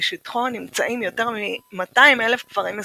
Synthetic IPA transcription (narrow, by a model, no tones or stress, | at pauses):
ʃitχonimt͡saʔimjo̞te̞ʁmimataimelefkvaʁim